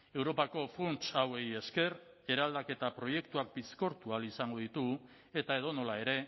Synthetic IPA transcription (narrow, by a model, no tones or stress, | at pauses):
e̞wɾo̞pako̞funt͡ʃawe̞je̞ske̞r | e̞ɾald̪ake̞t̪apɾo̞je̞kt̪uak̚bisko̞ɾt̪ualisaŋɡo̞ðit̪u | e̞t̪ae̞ðo̞no̞lae̞ɾe̞